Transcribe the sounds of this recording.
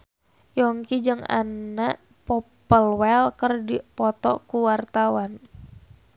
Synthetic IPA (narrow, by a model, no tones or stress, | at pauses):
jɔŋkid͡ʒɨŋa̰naʔ | pɔpəlwɛlkərdipɔt̪ɔkuwart̪awan